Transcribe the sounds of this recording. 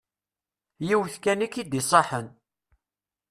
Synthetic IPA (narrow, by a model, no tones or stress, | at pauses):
jiwθkænikid̪isˤɑħən